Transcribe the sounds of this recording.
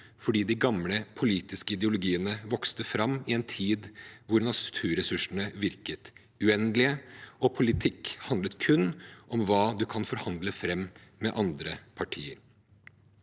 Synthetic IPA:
fɔɖiːd̪ɪɡɑmləpʰʊliːt̪ɪskəɪd̪ɛʊlʊɡiːənəʋɔkst̪əfɾɑmːɪɛnt̪ʰiːd̪ʋʊɾnɑt̪ʰʉːɾɛsʉʂn̩əʋɪɾkət̪ | ʉɛnlɪəɔpʰʊlɪt̪ʰɪkhɑnd̪lət̪kʰʉnːʔɔmʋɑːd̪ʉkʰɑnfɔɾhɑnd̪ləfɾɛmːmɛʔɑnd̪ɾəpʰɑʈʰiːəɾ

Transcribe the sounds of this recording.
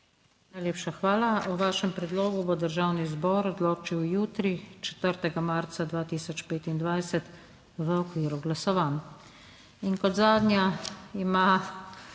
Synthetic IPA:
najleːpʃaxʋaːlauʋaːʃɛmpɾɛd̪loːɡubod̪əɾʒawnizbɔːɾɔd̪loːt͡ʃiwjuːt̪ɾit͡ʃɛ̥t̪əɾt̪ɛɡamaɾt̪sad̪ʋaːt̪iːsɔt͡ʃpeːt̪ind̪ʋajsɛt̪ | ʋəɔkʋiːɾuɡlasɔʋaːn | inkɔt̪zaːd̪njaima

